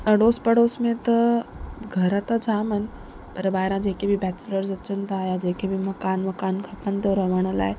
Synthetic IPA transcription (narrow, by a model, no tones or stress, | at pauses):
ɐɽoːspɐɽoːsmẽt̪ɐ | ɡʱɐɾət̪ad͡ʑaːmənɪ̆ | pɐɾbaːɦɪɾãd͡ʑeːkebɪbɛːt͡ɕləɾzɐt͡ɕənɪ̆t̪ʰajad͡ʑeːkʰebɪmɐkaːnmɐkaːnkʰɐpənɪ̆t̪ʰoɾɐʋəɽ̃ə̆la̰ːɪ